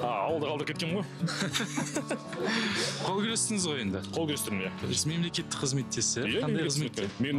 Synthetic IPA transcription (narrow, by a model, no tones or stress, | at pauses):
ɑ̰ɑwəlˠd̪əqɑlˠəɾəkʰʲet̪kʲenʁoj | qʰolˠkʲʰelest̪ɪŋəzʁo̞je̞nd̪ɪqʰolˠkʲelest̪ɪɾɪmjame̞mle̞kʲe̞t̪ːɪ̥kqʰəzme̞t̪ːesɪjʰɑnd̪ɑjəzmet̪ːemen